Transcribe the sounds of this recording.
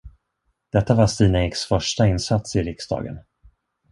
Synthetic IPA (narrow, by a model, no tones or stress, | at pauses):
d̪̥ɛt̪ːavast̪iːnaɪksfœʂʈaɪnsat̪sɪɾɪksd̪ɑ̰ːɡə̰n